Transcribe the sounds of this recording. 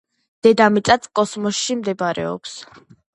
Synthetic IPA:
d̪̥ɛd̪amit̪sʼat̪sʰkʼɔsmɔsʃimd̪ɛbaɾɛ̰ɔ̰ps

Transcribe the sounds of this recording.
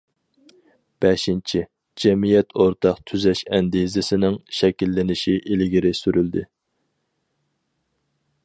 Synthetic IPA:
b̥ɛʃint͡ʃʰi | d͡ʒɛmijɛt̪ʰoɾt̪ʰɑqt̪ʰyzɛʃɛnd̪izɪsɪnɪŋʃɛkʲilːɪnɪʃiʔɪlɪɡʲiɾɪsyɾyld̪ɪ

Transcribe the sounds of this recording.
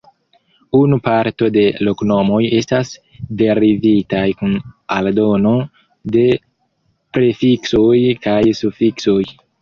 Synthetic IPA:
unupaɾto̞de̞lo̞kno̞mo̞je̞stas | de̞ɾivitajkunaldo̞no̞ | de̞ | pɾe̞fiksojkajsufiksoj

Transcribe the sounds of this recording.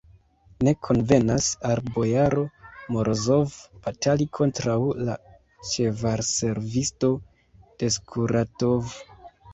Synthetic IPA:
ne̞kʰo̞nve̞nasalbo̞jaɾo̞mo̞ɾʔozo̞vb̥atalikʰo̞ntɾawla | t͡ʃe̞vaɾse̞ɾvisto̞ | d̥e̞skʰuɾatov

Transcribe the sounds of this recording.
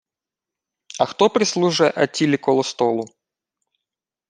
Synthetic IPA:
ɐxt̪opɾʲɪslˠuʐɨjɛʔɐtʲːilʲɪkolˠəst̪olˠʊ

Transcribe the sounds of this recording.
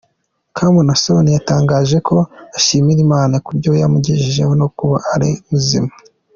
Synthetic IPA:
kʰamunaso̞nijataːŋɡaːʒe̞kʰo̞aʃimiɾimaːnakuɾɟo̞jamuɟiʒiʒe̞̰honokuβa̰ːɾiumuzḭma

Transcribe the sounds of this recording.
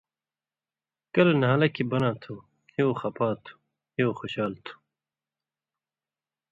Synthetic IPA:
kɐlɐnɐɦaːlɐkʰibɐnaːt̪ʰu | kʰioxɐpaːt̪ʰu̥ | kʰioːxoɕaːlt̪ʰu̥

